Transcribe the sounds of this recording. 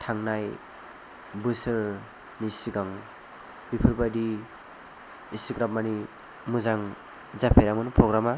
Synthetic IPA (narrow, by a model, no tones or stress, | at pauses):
tʰaŋnaj | bɯsɯɾ | nisiɡaŋ | bipʰɯɾbadi | isikɾapmani | muzaŋ | zapʰeɾamɯnpɾoɡɾama